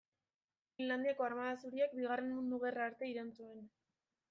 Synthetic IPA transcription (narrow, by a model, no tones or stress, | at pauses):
finland̪iako̞armaðasuɾiak̚biɣ̞are̞nmund̪uɣ̞eraɾt̪e̞iɾant͡sue̞n